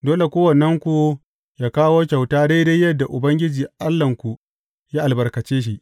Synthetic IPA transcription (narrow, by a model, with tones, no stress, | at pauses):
doː˦le˨kʷoː˦wɐ˨nːɐ˦ŋkʷu˨ | jaː˦kaː˦woː˦k̬ʲa˨wtaː˦da˦jda˦jjːɐ˦dːa˨ʔʊ˨bɐ˦ŋɡʲɪ˦d͡ʒiː˨ʔa˦lːɐ˨ŋkʷu˨ | jaː˦ʔa˨lbɐ˨rkɐ˨t͡ʃeː˦ʃ̬i˦ʔ